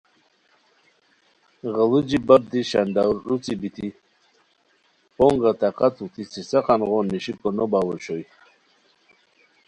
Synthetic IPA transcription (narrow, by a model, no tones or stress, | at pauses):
ʁəlud͡ʒibab̚d̪iʃand̪awɾːut͡sibit̪ʰi | pɔŋʁat̪aqat̪ut̪ʰisisaqanʁɔnːiɕikɔnɔbawɔt͡ʃɔj